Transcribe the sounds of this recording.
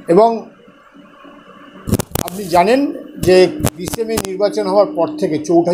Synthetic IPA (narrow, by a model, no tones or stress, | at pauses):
eboŋ | ap̚nid͡ʑanend͡ʑebisemeniɾbat͡ɕonɦɔoaɾpɔɾt̪ʰeket͡ɕowʈʰa